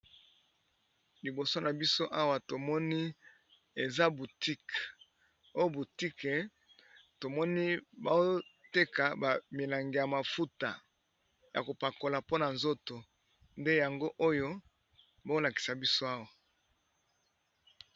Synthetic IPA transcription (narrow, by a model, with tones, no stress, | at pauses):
li˨bo˨so˦na˨bi˦so˦ʔa˦wa˨to˨mɔ˦ni˦ | e˨za˦bu˨ti˦k | o˦jo˦bu˨ti˦ke˨ | to˨mɔ˦ni˦ba˦o˦te˦ka˨ba˨mi˨la˨ŋɡe˨ja˨ma˨fu˦ta˨ | ja̰˨ko˨pa˨ko˨la˨po˦na˨nzo˦to˨ | nde˦ja˨ŋɡo˦ʔo˦jo˦ | bo˦o˦la˨ki̥˨sa˨bi˦so˦a˦wa˨